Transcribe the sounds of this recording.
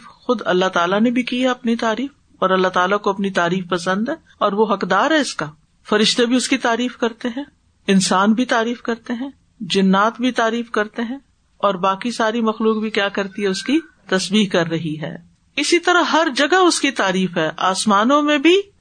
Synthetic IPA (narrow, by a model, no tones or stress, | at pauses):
xʊd̪ɐ̰lːat̪aːlanẽbʱikiɦɛɐpnit̪aːɾiːf | ɔːɾɐlːat̪aːlakoɐpnit̪aːɾiːfpɐsə̃nd̪ɦɛː | ɔːɾʋoɦɐkd̪aːɾɦɛɪska | fɐɾɪʃt̪ebʱiʊskit̪aːɾiːfkɐɾt̪eɦɛ̃ː | ɪnsaːnbʱit̪aːɾiːfkɐɾt̪eɦɛ̃ː | d͡ʒɪnːaːt̪bʱit̪aːɾiːfkɐɾt̪eɦɛ̃ | ɔːɾbaːkisaːɾimɐxluːk̚bʱikjaːkɐɾt̪iɦɛʊski | t̪ɐsbiːɦkɐɾːɐɦiɦɛ̰ː | ɪsit̪ɐɾaɦɐɾd͡ʒɐɡaʊskit̪aːɾiːfɦɛːʔaːsmaːnõmẽbʱi